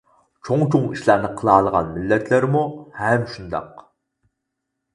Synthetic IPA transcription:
t͡ʃʰoŋt͡ʃʰoŋiʃlˠæɾnɨqʰəlˠɑːlˠəʁɑ̰nmɪlːɛt̪ʰlɪɾmuhɛmʃund̪ɑ̰q

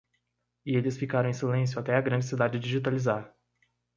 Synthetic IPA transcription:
ɪelɪsfikaɾɐ̃w̃ẽsilẽs̬jʊat̪ɛaɡɾɐ̃nd͡ʒɪsid̪ad͡ʒɪd͡ʒiʒit̪alizaɾ

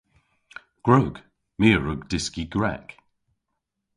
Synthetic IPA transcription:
ɡ̥ɹoːɡ̥ | miːəɹəɡdɪskiɡɹa̰k

